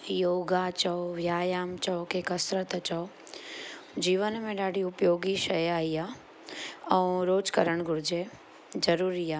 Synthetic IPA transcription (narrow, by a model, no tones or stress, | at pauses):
joːɡat͡ʃɔoʋjaːjaːmt͡ʃɔkeːkəsɾət̪t͡ʃɔ | d͡ʑiːʋənmẽɗaːɖʱiʊpjoːɡiʃɐjaːɦiaː | ɛũɾoːd͡ʒkəɾəɽ̃ɡʱʊɾd͡ʑe | d͡ʒɐɾuːɾiaː